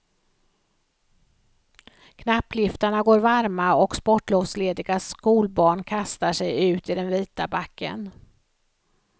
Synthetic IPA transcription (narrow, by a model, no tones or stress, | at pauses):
kʰnapːlɪft̪aɳaɡoːɾvaɾmaɔkspɔʈːloːvsleːd̪ɪɡaskuːlbɑːɳkʰast̪aʂɛjʉ̟ːt̪ɪd̪ɛnviːt̪abakːə̰n